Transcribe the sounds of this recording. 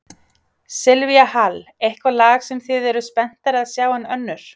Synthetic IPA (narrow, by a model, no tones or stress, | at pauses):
sɪlviahalejhkvalaːxsɛmθɪðɛɾʏspɛn̥t̪aɾaðsjaːwanœnːʏɾ̥